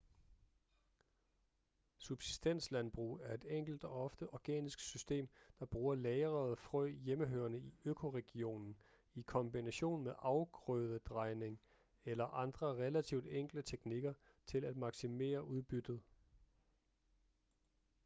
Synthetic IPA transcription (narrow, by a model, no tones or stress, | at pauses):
sub̥si̥sd̥en̰slænb̥ʁṵːæɐe̝d̥eŋ̰ɡ̥l̩d̥ɒ̽ɒ̽fd̥əʔɒɡ̥ɛ̰ːnisɡ̥sysd̥e̝̰ːmd̥ɑ̈b̥ʁuːɐlɛːɪʁɐð̩ˠfʁœjeməɦøːɐnəiøkʰo̝ʁɛɡ̥io̝̰ːnn̩ | ikʰɒ̽mb̥inæɕo̝̰ːnmeʔɑ̈ʊɡ̥ʁœðˠəd̥ʁɑ̈ɪne̝ŋ | elɐʔɑ̈nd̥ʁɐʁɛlæt͡sʰiʊ̰d̥eŋ̰ɡ̥lət͡sʰeɡ̥niɡ̥ɐ | t͡sʰe̝læd̥mɑ̈ɡ̥sime̝̰ːɐʔuð̞ˠb̥yd̥ð̞̩ˠ